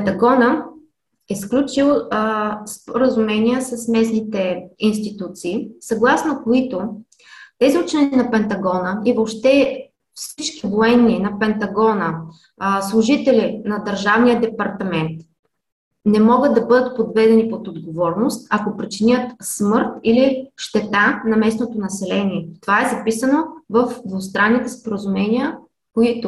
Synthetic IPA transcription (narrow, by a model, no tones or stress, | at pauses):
pɛnt̪ɐɡɔnə | ɛsklʲut͡ʃilˠ | spoɾəzumɛniəsɐsmɛsnit̪ɛinst̪it̪ut̪siːsɐɡlˠasnokoit̪o | t̪ɛziut͡ʃɛnʲinɐpɛnt̪ɐɡɔnəivopʃt̪ɛ | fsit͡ʃkivoɛnːinɐpɛnt̪ɐɡɔnə | slˠʊʒit̪ɛlinɐd̪əɾʒavnijəd̪ɛpɐɾt̪ɐmɛnt̪ | nɛmɔɡəd̪̚d̪ɐbɤd̪ət̪̚pod̪vɛd̪ɛnipot̪od̪ɡovɔɾnost̪ɐkopɾit͡ʃinʲət̪smɤɾt̪iliʃt̪ɛt̪anɐmɛsnot̪onɐsɛlɛniɛt̪ovaɛzɐpisənovəfd̪vost̪ɾanːit̪ɛspoɾəzumɛnijə | koit̪ʊ